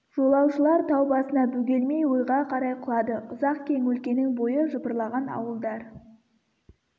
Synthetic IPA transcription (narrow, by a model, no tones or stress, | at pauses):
ʒ̥o̞lˠɑwʃəlˠɑɾt̪ʰɑwbɑsənɑbʉɡʲe̞lme̞jwojʁɑqʰɑɾɑjqʰʊlˠɑd̪əʔʊzɑqkʲʰe̞ŋwɵlkʲe̞nɪŋbo̞jəʒəbəɾlˠɑʁɑnɑ̰wəlˠd̪ɑɾ